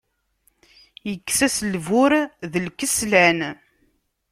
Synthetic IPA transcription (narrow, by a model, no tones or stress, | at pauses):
jəkːsæslvʊɾðəlkəslæn